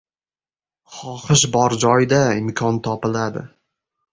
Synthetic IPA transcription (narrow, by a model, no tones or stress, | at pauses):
χɒχɨʃbɒɾd͡ʒɒjd̪aɪmkʰɒnt̪ʰɒpɪlad̪ɪ̰